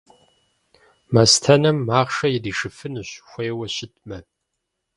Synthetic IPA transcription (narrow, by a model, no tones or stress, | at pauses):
mɐstʰɐnɐmːaːʁʂɐjɪdiːʂɨfɨnɨɕxʷejwɐɕɪt̚ʰʼmɐ